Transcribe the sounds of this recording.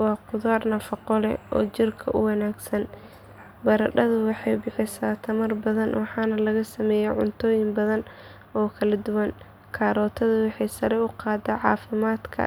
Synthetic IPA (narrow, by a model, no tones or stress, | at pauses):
wɑːqʊðaːrnɐfɐqɔlɛ̰ʔɔ̰ːt͡ʃɪrkʰɐ̰ʔʊwɑnaːɡsɐn | bɐɾɐɖɐðʊwɑħɑjbɪħɪsaːt̪ʰɐmɐrbɐðɐnwɑħɑːnɐlɐɣɐsɐmɛːjɛʕʊ̰nt̪ʰɔːjɪmbɐðɐn | ɔːkʰɐlɐd̪ʊwɐŋ | kʰaːɾɔːt̪ʰɐðʊwɑħɑjsɐɾɛʊqɑːd̪ɛʕɑːfɪmaːd̪kʰɐ̰